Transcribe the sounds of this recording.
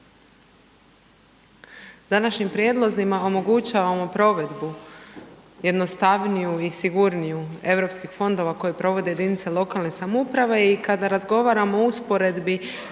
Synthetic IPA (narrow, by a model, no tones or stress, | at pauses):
d̪̥anaʃɲimpɾje̞d̪lˠozimao̞mo̞ɡut͡ɕaːʋamo̞pɾo̞ʋe̞d̪bu | je̞d̪no̞st̪aʋnijuisiɡuɾnijue̞vɾo̞pskixfo̞nd̪o̞ʋako̞jepɾo̞ʋo̞d̪e̞je̞d̪init̪selˠo̞kalˠnesamupɾaʋe̞ikad̪aɾazɡo̞ʋaːɾamouspo̞ɾe̞d̪bi